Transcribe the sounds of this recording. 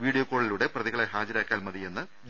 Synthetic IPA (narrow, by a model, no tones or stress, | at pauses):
ʋiːɽijoːkːo̞ːɭiluːɽe̞prɐðiɣɐɭeɦaːd͡ʑɐɾaːkːaːlmɐðije̞nːɨ | d̪